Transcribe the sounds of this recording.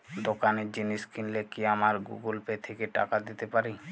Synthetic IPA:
d̪okaned͡ʒiniskinlekiamaɾɡṵɡulpet̪ʰekeʈa̰kad̪it̪epaɾi

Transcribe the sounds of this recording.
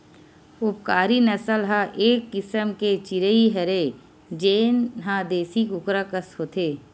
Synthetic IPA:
ʊp̚kaːɾinəsəlɦãʔeːkːɪsəmket͡ʃɪɾeiɦɐɾeː | d͡ʒeːnɦãːd̪eːsikʊkɾakəsɦoːt̪ʰeː

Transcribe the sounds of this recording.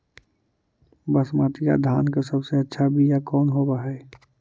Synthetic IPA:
bəsmaːt̪ika̰d̪ʱaːnkasəbseətːʃʰabʱijakɔːnɦobaɦɛː

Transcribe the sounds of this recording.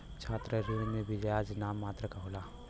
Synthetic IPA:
t͡ʃʰaːt̪ɾəɾimẽbʱid͡ʒjaːd͡ʒnaːmːaːt̪ɾəkaɦoːla

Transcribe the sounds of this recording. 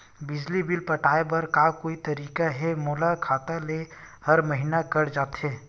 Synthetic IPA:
bɪd͡ʒlibɪlpɐʈʰaːebɐɾkaːkoːit̪ɐɾiːkaɦɛmoːlakʰaːt̪ale | hɐɾməɦinakɐɽd͡ʒaːt̪ɦɛː

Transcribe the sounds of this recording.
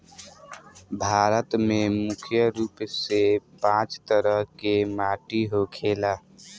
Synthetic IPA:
bʱaːɾət̪mẽmʊkʰjəɾuːpsepãːt͡ʃt̪əɾəɦkemaːʈiɦokʰeːlaː

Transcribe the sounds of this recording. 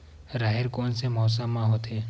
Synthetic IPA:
ɾaːɦeɾkoːnsemɔːs̬amãɦot̪ʰeː

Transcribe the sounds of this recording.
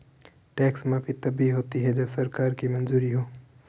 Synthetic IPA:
ʈɛːksmẽpʰit̪ɐbʱiɦoːt̪iɦɛd͡ʒɐbsɐɾkaːɾkimɐ̃nzuːɾiɦoː

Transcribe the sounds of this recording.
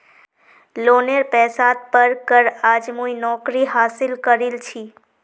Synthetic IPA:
loːneɾpɛːsaːt̪̚pəɾkəɾaːd͡ʒmuinɔːkɾiɦaːsɪlkəɾɪlt͡ʃʰiː

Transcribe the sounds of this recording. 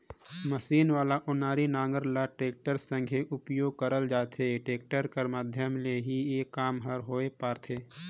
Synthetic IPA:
məʃiːnʋaːlaʔʊnaːɾinãːŋɡəɾlaʈeːk̚ʈəɾsə̃ŋɡʱeʔʊpjoːɡ̚kəɾəld͡ʒaːt̪ʰeʈeːk̚ʈəɾkəɾmaːd̪ʱjəmleɦieːkːaːmɦəɾɦoːepaːɾt̪ʰeː

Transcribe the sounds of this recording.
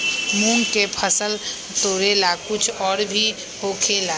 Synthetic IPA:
muŋɡkepʰəsəl | t̪oːɾelakʊt͡ʃʰɔːɾbʱi | ɦoːkʰela

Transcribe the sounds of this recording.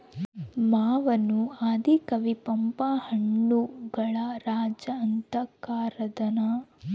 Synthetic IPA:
maːʋɐnuaːd̪ʱikɐʋipɐmpahɐɳːuɡɐɭɐɾaːd͡ʒɐɐnt̪ɐkaːɾɐd̪ɐnɐ

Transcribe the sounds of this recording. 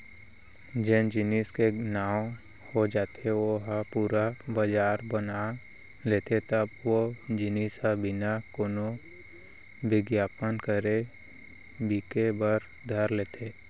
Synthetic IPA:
d͡ʒɛ̃nd͡ʒɪniskenaːw | hod͡ʒaːt̪ʰeoɦapuːɾabəd͡ʒaːɾbəna | leːt̪et̪əbwod͡ʒɪnisabɪnakoːno | bɪɡjaːpənkəɾe | biːkebəɾ | d̪ʱəɾleːt̪ʰeː

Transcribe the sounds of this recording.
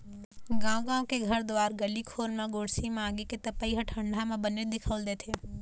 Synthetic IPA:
ɡãːɡãːwkeɡʱəɾd̪ʋaːɾɡəlikʰoːɾmãɡoːɽsimãːɡeket̪əpəiːɦəʈʰə̃ɳɖʱamãbəned̪ɪkʰəːld̪eːt̪ʰe

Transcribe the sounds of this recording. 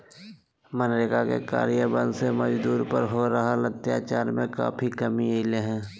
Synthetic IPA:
mənɾekakḛka̰ːɾjəbə̃nd̪seməd͡ʒd̪uːɾpə̰ɾɦoɾɐɦalət̪ːjaːt͡ʃaːɾmẽka̰ːpʰikəmieɪleɦɛ̃ː

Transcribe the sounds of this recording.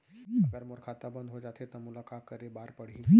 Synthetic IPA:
ɡəɾmoɾkʰat̪abənd̪ɦod͡ʒat̪ʰet̪əmulakʰakəɾebaɾpəɽ̤i

